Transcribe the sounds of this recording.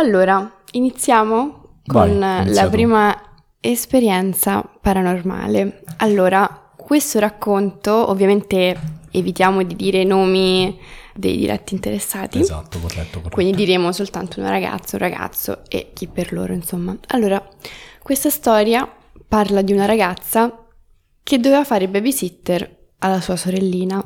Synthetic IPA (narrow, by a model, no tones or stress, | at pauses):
alːoːɾa | init̪sːjaːmo | konnlapɾiːma | espeɾjɛnt̪sapaɾanorma̰ːlealːoːɾa | kwest̪oɾakːont̪oo̰vːjament̪eevit̪jaːmod̪id̪iːɾenoːmi | d̪ḛjd̪ḭɾɛ̰t̪ːiːnt̪eɾesːaːt̪iokwind̪id̪iɾeːmosolt̪ant̪ouna̰ɾaɡa̰t̪sːaũrːaɡa̰t̪sːo̰ḛk̟ːipːerlo̰ːɾoinsomːaa̰lːoːɾakwest̪ast̪ɔːɾja | parlad̪iunaɾaɡat̪sːa | kʰed̪ːoveːvafaːɾebɛbisit̪ːer | alːasuːasoɾelːiːna